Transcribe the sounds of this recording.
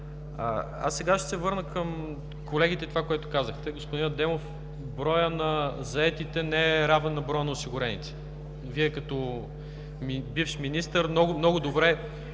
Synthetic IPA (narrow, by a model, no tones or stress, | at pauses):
a̰ | a̰sːɛɡaʃt̪ɛ̥sɛvɤɾnəkəm | kolɛɡ̟it̪ɛt̪ovakoɛt̪ʊ̥kazəxt̪ɛɡospʊd̪ind̪ɛmof | bɾɔjənɐzɐɛt̪it̪ɛnɛɛɾavnɛnɐbɾɔjənɐoʊsiɡʊɾɛnḭt̪ɛ̥ | viɛkɐt̪ɔ | mibifʃminist̪əɾmnɔɡʊmnɔɡʊd̪obɾɛ